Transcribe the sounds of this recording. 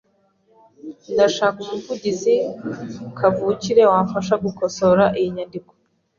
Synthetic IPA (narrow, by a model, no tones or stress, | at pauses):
ndaʃaːkumuvuɟizi | kʰavuciɾe̞waːɱfaʃaɡuko̞so̞ɾaʔijiɲandiko̥